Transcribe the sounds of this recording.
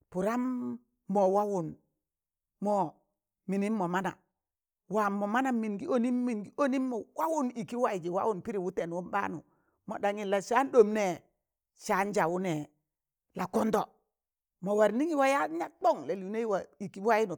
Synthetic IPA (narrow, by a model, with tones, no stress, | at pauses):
pu˨ɾa˦mː | ɔ˨wa˦wu˨n | mɔ˨ | mi˨ni˦mːɔ˨ma˦na̰˨ | wa˨mːɔ˨ma˦na˨mi˨nɡi˦o˦ni˦mːi˨ŋɡi˦o˦ni˦mːɔ˨wa˦wu˦ni˨ki˦wa˦i˨d͡ʒi˨wa̰˦wu˦˨npi˦ɾi˨wu˦te˨nwu˦mba̰˦nu˨ | mo̰˨da˨ŋi˨la˨ʃa˦ndo˨mne˦˨ | ʃa˦nd͡ʒa˨wu˦nɛ˨ | la˨ko˦ndɔ˨ | mo˨wa˨ɾni˦ŋi˦wa˦ja˦ɲa˦k͡po˦˨ŋla˨li˨ne˦i˦wa˨i˨ki˦wa˦ji˦nu˨